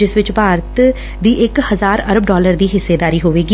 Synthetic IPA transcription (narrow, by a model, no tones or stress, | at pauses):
d͡ʒɪsʋɪt͡ʃpaːɾt̪ | d̪iːʔɪkhəzaːɾəɾəbɖɔːləɾd̪iːɦɪsːeːd̪aːɾiːɦoːʋeːɡiː